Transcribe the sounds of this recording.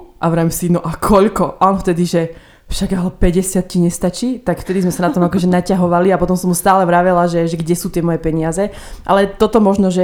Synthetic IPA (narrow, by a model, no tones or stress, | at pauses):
ʔaʋɾaːmsinɔʔakʰɔʎkɔʔɔnft̪ɛd̪iʒɛ | fʃaɡaɦɔpɛɟɛsɪat̪̚ciɲɛst̪at͡ʃiːt̪akft̪ɛd̪izmɛsanat̪ɔmakɔʒɛnacaɦɔʋaliapɔt̪̬ɔmsɔmɦust̪aːlɛʋɾaʋɛlaʒɛʒɛɡɟɛsuːt̪ɪɛmɔjɛpɛɲɪazɛ | ʔalɛt̪ɔt̪ɔmɔʒnɔʒɛ